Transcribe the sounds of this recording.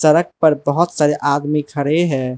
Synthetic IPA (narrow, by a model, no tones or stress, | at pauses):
səɾək̚pəɾbəɦʊt̪saːɾeʔad̪mikʰəɽeɦɛː